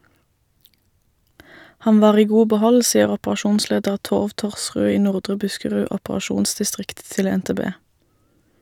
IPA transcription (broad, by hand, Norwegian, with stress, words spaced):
ˈhɑn ˈʋɑːʁ ˈiː ˈɡuː bəˈhɔl ˈsiːəʁ ɔpʁɑˈʃuːnˌsleːdəʁ ˈtoːʋ ˈtɔʁsʁʉː ˈiː ˈnʊʁdʁə ˈbʉskəʁʉː ɔpʁɑˈʃuːnsdɪˌstʁɪkt ˈtɪl ɛnteːˈbeː